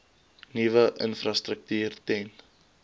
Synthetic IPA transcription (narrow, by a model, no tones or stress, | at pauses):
nivəʔənfrastrək̚tyːrtɛn